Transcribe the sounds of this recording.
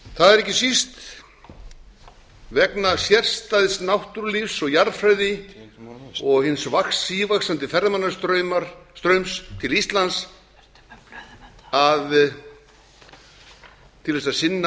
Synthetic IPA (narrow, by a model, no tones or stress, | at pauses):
θaðɛɾɛhcːɪsist̪ | vɛknasjɛr̥st̪ajðsnawht̪uɾlifsɔɣjaɾfɾajðɪ | ɔɣhɪnːsvaxsivaxsant̪ɪfɛɾðmanːaɾst̪ɾœɥmaɾst̪ɾœɥmst̪ʰɪlist̪lans | að | t̪ʰɪlvɛsasɪnːa